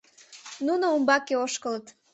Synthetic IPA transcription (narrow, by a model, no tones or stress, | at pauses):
nunoumbɑkeoʃkələt̪